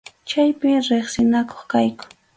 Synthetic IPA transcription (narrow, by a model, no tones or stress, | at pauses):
t͡ʃajpɪɾeχsɪnako̥χkajkʊ̥